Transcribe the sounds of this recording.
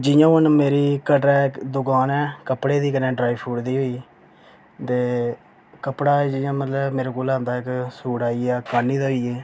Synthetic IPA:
d͡ʒɪjãːʊnmeːɾiːkəʈɛːkd̪ʊkaːnɛːkəpɽeːd̪iːkənẽːɖɾaːiːpʰuːɖd̪iːɦoːiː | t̪eː | kəpɽaːd͡ʒɪjãːmət̪ləbmeːɾaːkoːlaːnd̪aːɪksuːɽaːiːɛːkaːniːd̪aːɦoiːɛː

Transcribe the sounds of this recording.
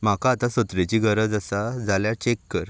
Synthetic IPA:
makaːt̪asət̪ɾet͡ɕiɡʱəɾəd͡zəsad͡zaljat͡ɕekːəɾ

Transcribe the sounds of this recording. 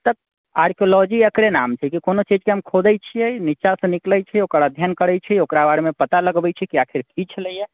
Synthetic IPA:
t̪əb̚ | a̰ɾkʰiolɔd͡ʒiəkɾenamt͡ʃʰɛkikonot͡ʃid͡ʒkeɦəmkʰod̪ɛt͡ʃʰijɛniʃasə̃nikləjt͡ʃʰɛokəɾaəd̪ʱjankəɾɛjt͡ʃʰɛokɾabaɽmepət̪aləɡbɛt͡ʃʰɛkiakʰiɾkit͡ʃʰləije

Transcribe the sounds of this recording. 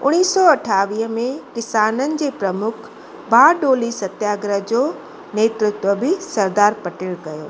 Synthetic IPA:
ʊɽ̃iːsːɔɐʈʰaːʋiːɦəmẽkɪsaːnənɪ̆d͡ʑeːpɾɐmʊkʰ | bʱaːɖoːlisɐt̪jaːɡɾəɦd͡ʑoː | neːt̪ɾɪt̪ʋəbɪsɐɾd̪aːɾpɐʈeːɭkɐjo̰ː

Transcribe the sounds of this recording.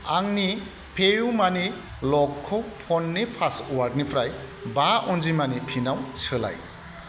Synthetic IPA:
aŋni | pʰejumani | lɔkʰːɔpʰɔnːipʰasɔwaɾd̚nipʰɾaj | baʔɔnd͡ʒimanipʰinawsɯla̰j

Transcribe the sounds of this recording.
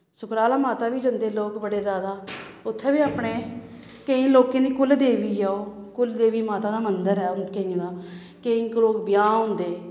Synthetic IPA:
sʊkɾaːlaːmaːt̪aːʋiːd͡ʒənd̪eːloːkbəɽeːzjaːd̪aː | ʊt̪ʰːɛːbiːaːpɳeː | kəĩːloːkẽːd̪iːkʊld̪eːʋiːaːoːkʊld̪eːʋiːmaːt̪aːd̪aːmənd̪əɾɛːʊnd̪kəĩːd̪aː | kəĩːkloːkbɪjaːɦʊ̃ːnd̪eː

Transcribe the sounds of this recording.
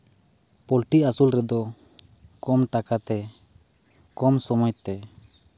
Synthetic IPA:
pɔlʈiasulɾɛd̪ɔ | kɔmʈakat̪ɛ | kɔmsɔmɔjt̪t̪ːɛ

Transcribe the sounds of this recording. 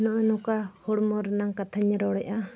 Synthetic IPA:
nɔʔɔnɔkahɔɽmɔɾnaŋkat̪ʰaɲɾɔɽɛʔa

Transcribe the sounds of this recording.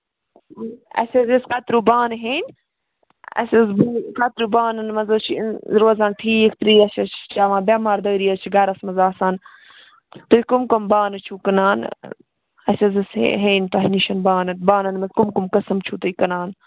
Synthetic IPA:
ɐ̰sʲezeskɐt̪ɾuːbaːnɦeːn | ɐ̰sʲɐzbkɐt̪ɾuːbaːnɐnmɐzɐt͡ʃʰiɾoːzaːnʈʰiːikt̪ɾiːɐsʲɐt͡ʃʰt͡ʃʰaːʋãːbʲaːmaːɾd̪ɐːɾiːɐt͡ʃʰiɡɐɾɐsmɐzaːsaːn | t̪uikumkɐmbaːnɨt͡ʃʰuːkɐnaːn | ɐsʲɐzisɦeːnt̪oɦniʃɐnbaːnɨt̪baːnɐnmɐzkumkumkɐsɐmt͡ʃʰut̪uikɐnaːn

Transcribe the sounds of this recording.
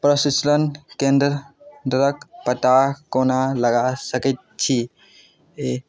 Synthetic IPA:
pɾəsislənkend̪ɾɖɾəkpəʈ̪akonaləɡasəkɛt̪̚t͡ʃʰi | e

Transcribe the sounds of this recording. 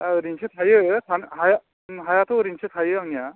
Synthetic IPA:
aɾinsʰɯt̪ʰajɯtʰanhaja | ɦajat̪ʰoɾinsʰɯt̪ʰajɯaŋija

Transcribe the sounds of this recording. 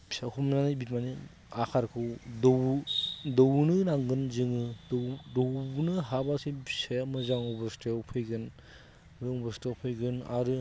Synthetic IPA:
skʰumnanibitmani | akʰaɾkʰɯwdɔ | dɔwnɯnaŋɡɯnzɯŋɯdɔwbnɯɦabasiseamɯzaŋɔbɯɾstewpʰɯjɡɯn | zɯŋɔbɔstewpʰɯjɡɯna̰ɾɯ

